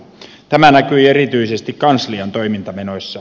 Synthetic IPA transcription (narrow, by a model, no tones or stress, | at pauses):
t̪æmænækyierit̪yisest̪ikkɑnsliɑnt̪oimint̪ɑmenosʲːɑ